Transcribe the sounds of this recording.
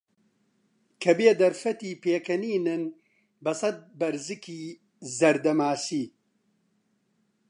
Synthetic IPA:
kʰɐbeːd̪ɐɾfɐt̪iːpeːkɐniːnɨn | bɐsɐt̪̚bɐɾzɨkʰiː | zɐɾd̪ɐmaːsiː

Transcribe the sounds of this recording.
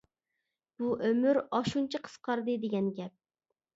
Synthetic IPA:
b̥uʔømyɾɑʃunt͡ʃʰiqʰə̥sqʰɑɾd̪ɨd̪eɡʲɛnɡʲɛp̚

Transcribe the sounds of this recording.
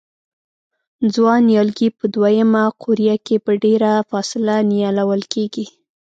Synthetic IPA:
d͡zwɑnjɑlɡipəd̪wajəmaqʰʊɾjakepəɖeɾafɑsɪlanijɑlawəlkeɡi

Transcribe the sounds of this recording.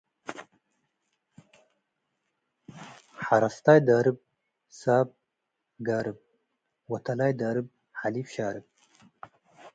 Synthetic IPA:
ħaɾast̪aːjd̪aːɾɨb̚ | saːb̚ | ɡaːɾɨb̚ | wɐt̪alaːjd̪aːɾɨb̚ | halifɕaːɾɨb̚

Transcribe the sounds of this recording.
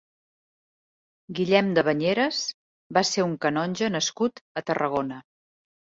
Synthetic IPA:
ɡiʎɛmd̪əβəɲeɾəs | baseuŋkənɔnʲʒənəskut̪ət̪ərəɣonə

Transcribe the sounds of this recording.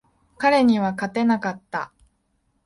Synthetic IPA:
kaɾe̞ɲ̟iβakat̪e̞nakat̪ːa̰

